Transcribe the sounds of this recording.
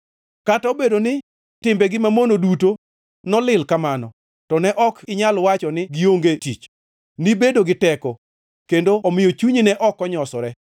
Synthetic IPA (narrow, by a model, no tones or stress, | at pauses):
kataobedonɪ | tɪmbɛɡɪmamonoduto | nɔlɪlkamanɔ̰ | tɔnɛʔɔkɪɲalwat͡ʃɔnɪɡɪoŋɡetit͡ʃ | nibedoɡɪtɛkɔ | kendoɔmɪjot͡ʃuɲinɛʔɔkɔɲɔsɔɾɛ